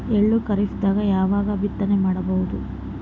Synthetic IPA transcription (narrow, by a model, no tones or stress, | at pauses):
eɭːukɐɾisd̪aːɡɐjaːʋaːɡɐbit̪ːɐnemaːɽɐbɐʋud̪u